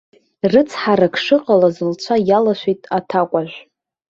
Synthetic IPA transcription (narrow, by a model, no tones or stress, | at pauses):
rɨt͡sʰħaɾakʰʂɨqʼalazɨlt͡ɕʷʰajalaʃʷᶣijtʼatʰakʷʼaʒᶣʷ